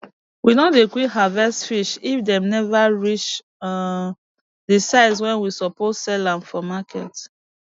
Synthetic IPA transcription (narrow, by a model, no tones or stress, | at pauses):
winodekwikɦavɛstfiʃifdɛ̃mnɛvaɹit͡ʃ | dəsaɪswɛ̃nwisɔpɔtsɛlãmfɔmakʰɛ̰t